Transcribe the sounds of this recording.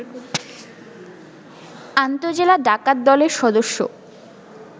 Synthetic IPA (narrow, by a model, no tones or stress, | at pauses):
ant̪od͡ʑelaɖʱakad̪ːɔleɾʃɔd̪oʃːo̰